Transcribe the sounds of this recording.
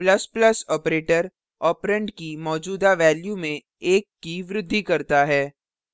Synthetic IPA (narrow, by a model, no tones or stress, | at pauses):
plɐsplɐsɔːpɾeːʈəɾ | ɔːpɾə̃ɳɖkimɔːd͡ʒuːd̪aʋɛːljumẽ | eːkːiʋɾʊd̪ʱːikɐɾt̪aɦɛː